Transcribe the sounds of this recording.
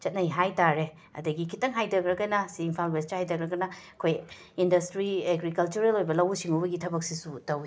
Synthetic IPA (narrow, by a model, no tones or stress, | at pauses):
t͡ʃɐt̚nɐjɦajtaɾe | ɐ̰dɐɡikʰitɐŋɦajdɐɡɾɐɡɐnɐsiːmpʰalbestahajdɐɡɾɐɡɐnɐɐkʰoj | indɐstɾieɡɾikɐlt͡ʃuɾelojbɐlɐwusiŋubɐɡitʰɐbɐk̚sisutɐwi